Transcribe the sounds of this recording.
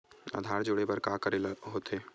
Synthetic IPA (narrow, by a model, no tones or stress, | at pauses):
a̰ːd̪ʱaːɾd͡ʒoːɽebəɾkaːkəɾelɦoːt̪eː